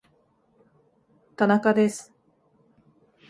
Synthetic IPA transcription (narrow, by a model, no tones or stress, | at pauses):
t̪anakad̪e̞sɨ̥